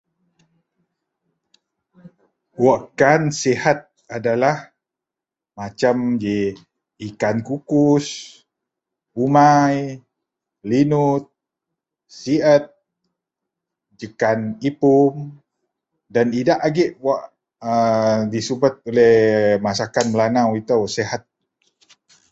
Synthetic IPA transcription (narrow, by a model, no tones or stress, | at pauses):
waʔkansihat̪̚ | adalah | mat͡ʃamd͡ʒi | ikankukus | umaj | linut̪̚ | siət̪̚ | d͡ʒəkanipum | danidaʔaɡɛʔwaʔ | ədisubat̪̚olɛhmasakanmlanawit̪awseɦat̪̚